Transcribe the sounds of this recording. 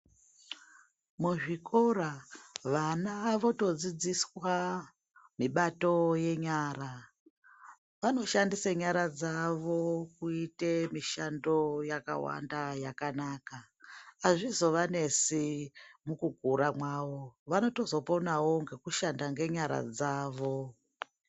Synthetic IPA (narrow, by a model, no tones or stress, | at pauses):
muʐikoraʋanaʋo̞to̞d͡zid͡ziswa | miɓato̞je̞ɲaɾa | ʋano̞ʃandisaɲaɾad͡zaʋo̞kuitemiʃando̞jaka̰wa̰ndajakanaːkaː | ʐizo̞ʋane̞simukuɡʱuɾamwaːʋo̞ʋano̞to̞zo̞po̞nawo̞ŋɡekuʃandaŋɡe̞ɲaɾa̰d͡zaːʋo̞